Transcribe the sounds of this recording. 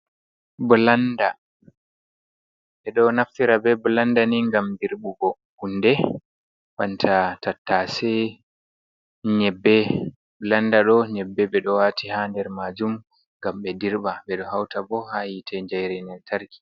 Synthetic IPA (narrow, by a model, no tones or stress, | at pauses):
blanda | ɓɛɗɔnaftiɾabɛblandaniŋɡamdiɾɓubɔ | hundɛ | ɓantʰatatːasɛ | ɲɛbːɛ | blandaɗɔɲɛbːɛɓɛɗɔwatihandɛɾmad͡ʒum | ŋɡamɓɛdiɾɓaɓɛɗɔhawtabɔhajitʰɛɲd͡ʒajɾɛnɛntʰaɾki̥